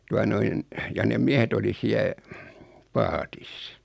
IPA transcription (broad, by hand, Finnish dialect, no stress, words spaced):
tuɑ noin jɑ nem miehet oli siæ pɑːtis